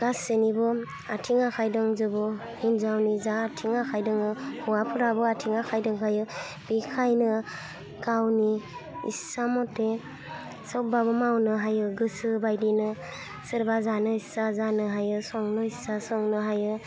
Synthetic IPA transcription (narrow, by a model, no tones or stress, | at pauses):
ɡ̥asenibɯ | atʰiŋakʰajdɯŋzɯbɔ | hinzawnizaːtʰiŋakʰajdɯŋɯhuwapʰɯɾabɯatʰiŋakʰajdɯŋkʰajɯ | b̥ikʰajnɯ | ɡ̥awniḭsamɔtːe | sɯbabɯmawnɯɦajɯɡɯsɯbajdinɯ | sɯɾbazanɯisazanɯɦajɯsɔŋnɯisasɔŋnɯɦajɯ